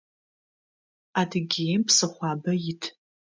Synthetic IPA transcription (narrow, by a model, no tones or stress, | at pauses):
adɡʲempʰsɨχʷabɐjitʰ